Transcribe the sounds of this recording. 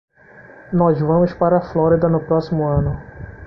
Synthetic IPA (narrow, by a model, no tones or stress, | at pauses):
nɔzvɐ̃mʊspaɾɐflɔɾid̪ɐnʊpɾɔsimʊɐ̃nʊ